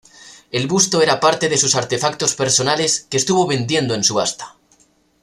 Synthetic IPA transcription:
e̞lβust̪o̞e̞ɾapaɾt̪e̞ðe̞susaɾt̪e̞fak̚t̪o̞spe̞ɾso̞nale̞skeːst̪uβo̞βe̞nd̪je̞nd̪oensuβast̪ḁ

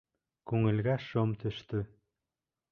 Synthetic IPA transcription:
kʉŋɘ̆lɡæʃomt̪ɵ̆ʃt̪ɵ

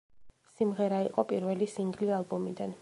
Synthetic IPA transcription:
simʁɛɾaiqʼɔpʼiɾvɛlisiŋɡlialˠbɔmid̪an

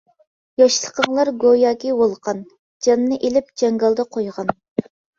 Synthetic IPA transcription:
jɑʃlˠəqʰəŋlˠɑɾɡojɑːkʲiwolˠqʰɑn | d͡ʒɑnːɨʔelɪp̚d͡ʒɛŋɡɑlˠd̪ɑqʰojʁɑn

